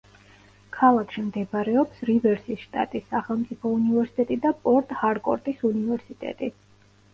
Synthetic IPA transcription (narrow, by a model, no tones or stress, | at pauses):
kʰalˠakʰʃimd̪ɛbɾɛɔpsɾivɛɾsisʃt̪ʼa̰t̪ʼisːaχɛlˠmt̪sʼipʰɔunivɛɾsi̥t̪ʼɛt̪ʼid̪apʼɔɾt̪ʼhaɾkʼɔ̰ɾt̪ʼisunivɛɾsit̪ʼɛ̰t̪ʼi